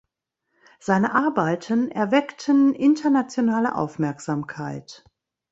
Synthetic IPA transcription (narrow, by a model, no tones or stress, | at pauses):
z̥aɪnəʔaɐbaɪtʰənʔɛɐvɛktʰənʔɪntʰɐnat͡sjonaːlə̰ʔa̰ʊfmɛɐkz̥aːmkʰaɪt